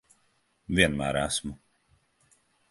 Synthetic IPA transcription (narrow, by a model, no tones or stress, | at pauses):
viɛnmæ̰ːɾæsmʊ